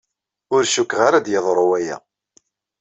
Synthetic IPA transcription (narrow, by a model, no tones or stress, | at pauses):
ʊɾʃukːʁaɾad̪jəðˤɾˤowæjæ̰